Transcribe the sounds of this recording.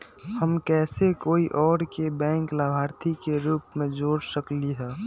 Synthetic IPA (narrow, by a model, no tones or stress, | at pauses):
həmkɛːsekoːiʔɔːɾkebɛ̃ːŋklabʱaːɾt̪ʰikeɾuːpmẽd͡ʒoːɽsəkliɦɛː